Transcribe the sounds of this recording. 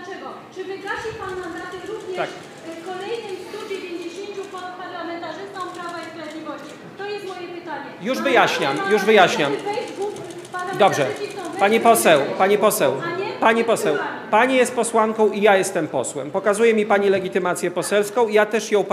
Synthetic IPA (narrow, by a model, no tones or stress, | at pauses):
t͡ʂɛɡɔ | t͡ʂɘvɘɡaɕipanːanɾad̪ɛɾuvɲɛt̪ak | kɔlɛjnɨjst̪ud͡ʑevʲjeɲd͡ʑeɕeɲt͡ɕupɔpaɾlamɛnt̪aʐɘst̪ɔ̃mpɾavaispɾavʲed̪ʲlʲivɔɕt͡ɕi | t̪ɔjɛst̪mɔjɛpɘt̪aɲɛjuʐvɘjaɕɲamjuʐvɘjaɕɲamɡu | pand̪ɔbʐɛiɔpaɲipɔsɛwpaɲipɔsɛwɲɛpaɲipɔsɛw | paɲijɛst̪̚pɔswaŋkɔ̃w̃ʔijajɛst̪ɛmpɔswɛ̰mpɔkazujɛmʲipaɲilɛɡʲit̪ɘmat̪sʲjɛpɔsɛlskɔ̃w̃ijat̪ɛʂjɔ̃w̃p